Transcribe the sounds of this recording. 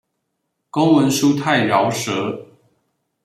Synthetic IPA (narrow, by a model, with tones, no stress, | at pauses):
ko˦ŋwə˨˦nʂu˦˥t̪ʰa˥˨ɪljɑ˨˦ʊʂɤə˨˦